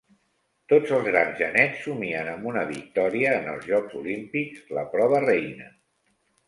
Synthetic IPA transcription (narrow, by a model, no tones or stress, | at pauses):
t̪od͡zəlˠzɣɾanzʒənɛt͡sːumiənəmbunəβik̚t̪ɔɾiəːnə̰lˠzʒɔɡzulimpikz̥ləpɾɔβ̞ərɛjnə